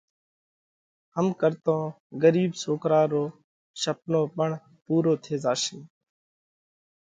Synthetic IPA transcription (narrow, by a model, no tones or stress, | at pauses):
həmkəɾt̪õː | ɡəɾiːbsoːkɾaːɾoː | ʃəp̚nõːpəɳ | puːɾoːt̪ʰeːzaːsĩː